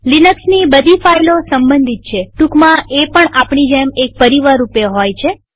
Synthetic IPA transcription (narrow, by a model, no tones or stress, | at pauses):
linəksnibəd̪ʱifajlosəmbənd̪ʱit̪̚t͡ʃʰeʈukmãʔepəɳapɳid͡ʒemek̚pəɾiʋaɾupeɦojt͡ʃʰe